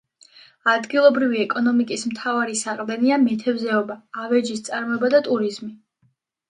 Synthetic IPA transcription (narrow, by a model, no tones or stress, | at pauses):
ad̪ɡilˠɔbɾiviɛkʼɔnɔmikʼismt̪ʰavaɾisaqʼvd̪ɛniamɛt̪ʰɛvzɛɔbaːvɛd͡ʒist̪sʼaɾmɔɛbad̪at̪ʼuɾizmi